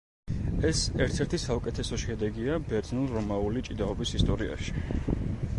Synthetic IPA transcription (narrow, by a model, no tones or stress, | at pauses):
ɛsɛɾt̪ʰɛɾt̪ʰisaukʼɛt̪ʰɛsɔʃɛd̪ɛɡiabɛɾd̪znulˠɾɔmaulit͡ʃʼid̪aɔbisist̪ʼɔɾia̰ʃi̥